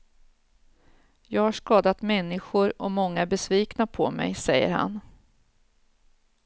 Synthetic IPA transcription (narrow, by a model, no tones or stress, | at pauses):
jɑːɡhaʂkɑːd̪at̪mɛnːɪɧʊɾɔmɔŋːaæbɛsviːknapʰɔmɛ̰jsɛjːə̰ɾha̰n